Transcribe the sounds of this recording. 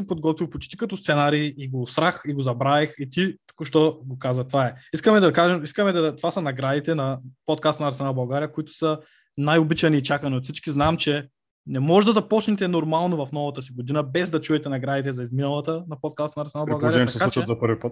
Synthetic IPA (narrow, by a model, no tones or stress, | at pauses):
sɛpod̪ɡɔt̪vʲipot͡ʃi̥t̪i̥kɐt̪ɔst̪sɛnaɾiːiɡost̪ɾaxiɡozɐbɾaɛxit̪it̪u̥kʊʃt̪ɔɡokazət̪vaɛiskəmɛd̪ɐkaʒɛmiskəmɛd̪ɐt̪vasɐnɐɡɾad̪it̪ɛnɐpot̪̚kast̪nɐɾsɛnabɐlˠɡaɾijəkoit̪ʊ̥sɐ | najobit͡ʃɐniːt͡ʃakɐniot̪fsit͡ʃkiznamt͡ʃɛ | nɛmɔʒɛd̪ɐzɐpɔt͡ʃnɛt̪ɛnoɾmalˠnovɐfnɔvɐt̪əsiɡod̪inəbɛzd̪ɐt͡ʃuɛt̪ɛnɐɡɾad̪it̪ɛzɐizminɐlˠɐt̪ənɐpot̪̚kast̪nɐɾsɛnaɾbɐlˠɡaɾjɛɛtɐsɛskalut͡ʃʃɛzɐpəɾvipət̪